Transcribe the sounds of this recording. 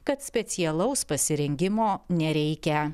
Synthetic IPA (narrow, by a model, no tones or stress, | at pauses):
kɐt̪sʲpʲɛt̪sʲɪɛlˠɐʊspɐsʲɪɾʲɛŋʲɡʲɪmoːnʲɛɾʲɛɪkʲɛ